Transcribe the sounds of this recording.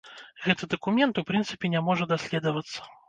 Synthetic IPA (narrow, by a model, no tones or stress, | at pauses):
ɣɛt̪ɨd̪ɐkumʲɛnt̪upɾɨnsɨ̥pʲɛnʲamɔʐɐd̪asʲlʲɛd̪ɐvɐt̪sːɐ̥